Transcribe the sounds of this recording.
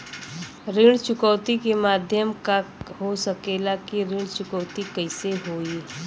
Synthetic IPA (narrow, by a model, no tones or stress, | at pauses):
ɾɪːɽ̃t͡ʃʊkəʊt̪ikemaːd̪ʱjəmkaɦosəkelakiɾiːɽ̃t͡ʃʊkəːt̪ikəɪseɦoːi